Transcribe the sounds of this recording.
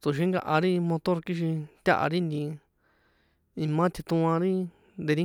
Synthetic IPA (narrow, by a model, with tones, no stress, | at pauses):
t̪u˨ʃ̬i˦ŋɡa̰˧ʔa˧ɾi˦˧mõ˧t̪o˦ɾki˦ʃ̬i˧t̪ʲa̰˦ʔa̰˧ɾi˦˧nd̪ĩ˧ | ĩ˧mã˦t̪ʰi˧t̪ũ˧ã˧ɾi˦ | nd̪e˧ɾi˦